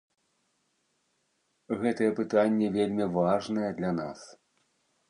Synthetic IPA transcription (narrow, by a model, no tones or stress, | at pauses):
ɣɛt̪ɐjɛpɨt̪anʲːɛvʲelʲmʲivaʐnɐjɛd̪lʲɐna̰s